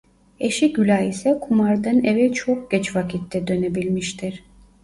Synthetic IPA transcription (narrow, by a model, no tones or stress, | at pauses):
e̞ʃiɟylʲaisɛkʰumaɾd̪anevɛt͡ʃʰok̚ɟ̥ɛt͡ʃvakʰit̪ːɛd̪ø̞ne̞bilʲmiʃt̪ʰiɾ̥